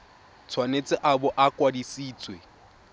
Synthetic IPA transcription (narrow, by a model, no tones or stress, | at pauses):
t͡sʰwanet͡sʼɪʔabʊʔakʼwadisiːt͡sʼwe